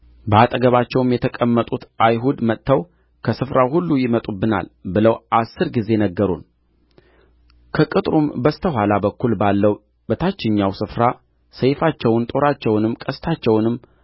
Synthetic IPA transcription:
bəat̪ʼəɡəβat͡ʃːɛwmjɛt̪ʰəkʼəmːət̪ʼut̪ajɦud̪mət̪ʰːəw | kʰəsɨfɾawhulːujɪmət̪ʼubɨna̰lbɨləwʔasːɨɾɡize̞nəɡːəɾun | kʰəkʼɨt̪ʼɾumbəst̪ʰəhʷwalabəkːulbalːəw | bət̪ʰat͡ʃːɪɲːawsɨfɾa | səjfat͡ʃːɛwnt̪ʼo̞ɾat͡ʃːɛwnɨmːkʼəst̪ʰat͡ʃːɛwnɨmː

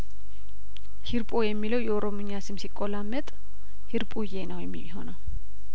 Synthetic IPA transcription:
hiɾpʼojɛmːiləwjɛoɾomuɲasɨmsikʼːolamːət̪ʼ | hiɾpʼujenəwjɛmːiiɦo̞nəw

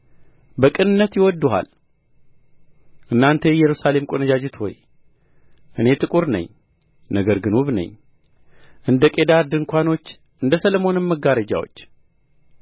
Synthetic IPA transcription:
bəkʼɨnɨnːət̪jɪwɔd̪ːuɦa̰l | ʔɨnːant̪ʰejɛɾusale̞mkʼonəd͡ʒad͡ʒɪt̪ho̰j | ʔɨne̞t̪ʼɨkʼuɾnə̰ɲː | nəɡəɾɡɨnwuβnə̰ɲː | ʔɨnd̪əkʼed̪aɾd̪ɨŋkʷano̞t͡ʃː | ʔɨnd̪əsəlomo̞nɨmːəɡaɾəd͡ʒa̰wo̞̰t͡ʃː

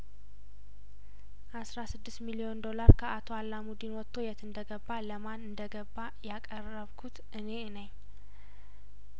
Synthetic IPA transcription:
ʔasɾasɨd̪ːɨst̪milijo̞nd̪o̞laɾkʰəat̪ʰo̞alːamud̪inwɔt̪ʰːo̞jɛt̪ɨnd̪əɡəbːaləmanɨnd̪əɡəbːajakʼərəβkʰut̪ | ɨne̞nəɲː

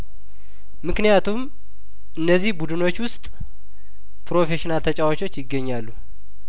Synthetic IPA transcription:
mɨknijat̪ʰum | ʔɨnːəzːihbud̪ɨno̞t͡ʃːwʊst̪ʼ | pɾo̞fe̞ʃinalt̪ʰət͡ʃʼawot͡ʃʰo̞t͡ʃːjɪɡːəɲːalːu

